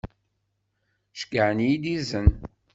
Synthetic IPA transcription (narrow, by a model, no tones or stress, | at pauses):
ʃkəʕənijid̪izən